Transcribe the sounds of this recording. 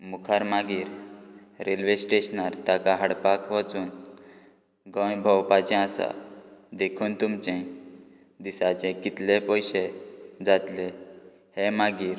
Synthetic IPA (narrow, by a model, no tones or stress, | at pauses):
mukʰaɾmaɡiːɾ | ɾelʋesʈeɕnaɾt̪akaɦəɽpakʋat͡suːn | ɡə̃jbʱəwpat͡ɕɛ̃asa̰d̪ekʰuːnt̪umt͡ɕɛ̃ | d̪isat͡ɕɛ̃kit̪lepɔjɕed͡zat̪le | hemaɡiːɾ